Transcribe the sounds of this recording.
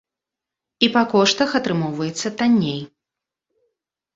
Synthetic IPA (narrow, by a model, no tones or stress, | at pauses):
ipakɔʂt̪ɐxɐt̪ɾɨmɔwvɐjɛt̪sːɐt̪anʲːej